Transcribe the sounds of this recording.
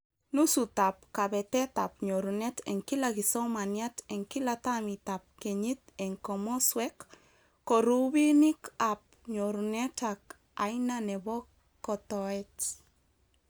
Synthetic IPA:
nusutap̚kaβɛtɛt̪ap̚ɲoɾunɛtɛ̰ŋkilakisɔmanjatɛŋkilatamitap̚kɛɲitɛŋkɔmɔswɛkː | ɔɾuβinikap̚ɲoɾunɛtak | a̰jnanɛbɔ | kɔt̪ɔɛt

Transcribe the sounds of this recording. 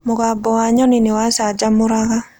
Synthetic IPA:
mʊɣabɔwaɲɔnɪnɪwasad͡ʒamʊɾaɣa

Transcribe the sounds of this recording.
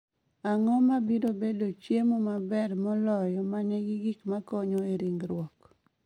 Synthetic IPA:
aŋɔmabidobedot͡ʃjemomabɛrmɔlɔjɔmaɲɛɡiɡikmakɔɲɔeɾiŋɡɾwɔk

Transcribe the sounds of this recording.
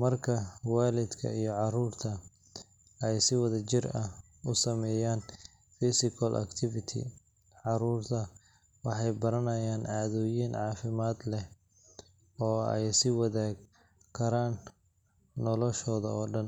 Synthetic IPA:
mɐrkʰɐwaːlɪd̪kʰɐ̰ijɔʕɑruːrt̪ʰɐ | ɛjsɪwɐðɐt͡ʃɪrɐ | ʊsɐmɛːjaːn | fisɪkʰɐlʔɐ̰kt̪ʰɪvɪt̪ʰɪ̰ | ʕɑɾuːrt̪ʰɐ | wɑħɑjbɐɾɐnɐjaːnʕɑːðɔːjinʕɑːfɪmaːd̪lɛ | ɔːɛ̰jsɪwɐðaːɡ | kʰːɐɾaːnː | ɔlɔʃɔːðɐɔːɖɐn

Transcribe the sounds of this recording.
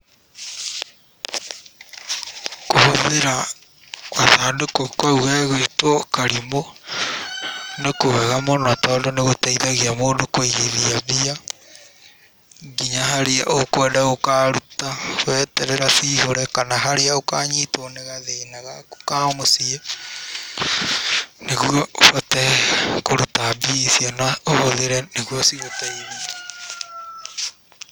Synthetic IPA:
kohoðeɾa | waðaːdokokwauɣɛɣwetwɔkaɾimo | nekowɛɣamonatɔːdɔneɣotaiðaɣiamoːdokwoiɣiðiaβia | ŋɡiɲaɦaɾeaʔokwɛːdaɣokaɾutawɛtɛɾɛɾasiːhoɾɛkanaɦaɾeaokaːɲitoneɣaðenaɣako̥kamosia | neɣuɔofatɛkoɾutabisjanaohoðeɾɛneɣwɔsiɣotaiðia

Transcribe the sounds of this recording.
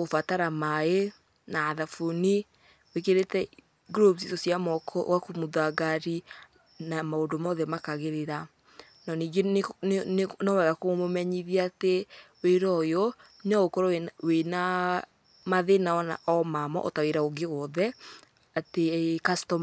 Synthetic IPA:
ofataɾamae | naːðafuni | wekeɾetɛ | ɡɾopsitosijamɔkwakumuðaɡaɾi | namaondomɔðɛmakaɣeɾeɾa | nɔniːɡe | nɔwaɣakomomɛɲiðiateweɾɔjɔ | neɔɣokɔɾɔwena | maðenaɔnaɔmamɔ̰ʔɔ̰taweɾaoɡeɣɔðɛ | atekastɔm

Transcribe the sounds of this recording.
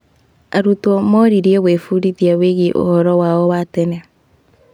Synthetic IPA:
aɾutwɔmɔɾiɾjeβwefuɾiðjaweɣiʔo̰hɔɾɔwaɔwatɛna

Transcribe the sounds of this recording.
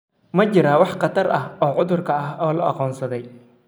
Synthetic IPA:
mɐt͡ʃɪɾaːwɑħqɑt̪ʰɐrɐɦɔːʕʊðʊrkʰɐɐɦɔːlɐʔɑ̰qɔːnsɐðɛj

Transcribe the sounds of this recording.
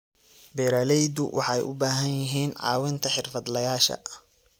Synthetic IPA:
bɛːɾaːlɛjd̪ʊwʔɑ̰ħɑjʔʊ̰baːɦɐnjɪɦiːnʕɑ̰ːwɪnt̪ʰɐħɪrfɐd̪lɐjaːʃɐ̰

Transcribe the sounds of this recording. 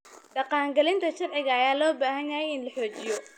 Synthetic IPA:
ɖɑqɑːŋɡɐlɪnt̪ʰɐʃɑrʕɪɣɐːjaːlɔːbaːɦɐnjajɛjɪnlɐħɔːt͡ʃɪjɔ

